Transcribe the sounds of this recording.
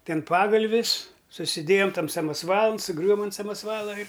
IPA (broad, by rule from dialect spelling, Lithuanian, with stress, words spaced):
ˈtʲɛn ˈpɑːɡɐlʲʋʲɪs sʊsʲɪˈdʲeːjoːm ˈtɐm sɐmɐsˈʋɑːlˠɐn sʊˈɡrʲʊʋoːm ɐnt sɐmɐsˈʋɑːlˠɐ ɪr